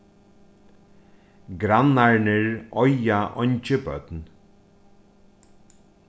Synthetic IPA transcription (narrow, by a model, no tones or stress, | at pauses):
ɡɾanaɹɳəɹɔjaʔɔɲt͡ʃəbœ̰t̪n